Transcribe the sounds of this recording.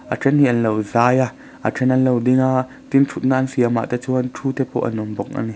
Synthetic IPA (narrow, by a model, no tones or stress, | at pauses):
ʔa̰ʈ͡ʂʰɛnhiʔɐnlowzaːja | ʔa̰ʈ͡ʂʰɛnɐnlowdiŋa | t̪int͡sʰut̪̚naːansiama̰ʔt̪ɛt͡suːɐnʈ͡ʂʰuːt̪ɛpʰɔ̰ʔɐ̰nɔmbɔk̚ʔa̰ni